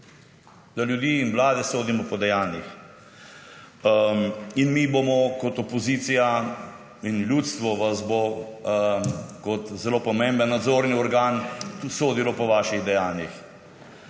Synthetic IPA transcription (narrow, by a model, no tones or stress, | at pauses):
d̪̥aljud̪iːinʋlaːd̪ɛsoːd̪imɔpɔd̪ɛjaːnjix | inmibomɔkɔt̪ɔpɔziːt̪sija | inljuːt̪st̪ʋɔʋazbo | kɔt̪zɛloːpɔmẽmbənːad̪zoːɾniɔɾɡaːnt̪usoːd̪ilɔpɔʋaːʃiɣd̪ɛjaːnjix